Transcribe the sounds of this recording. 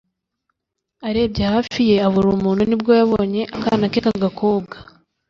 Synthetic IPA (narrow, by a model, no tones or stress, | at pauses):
aɾe̞ːbɟehafije̞aβuɾumuːnhunibɡo̞jaβo̞ːɲe̞ʔakaːnakekaɡakʰoːbɡḁ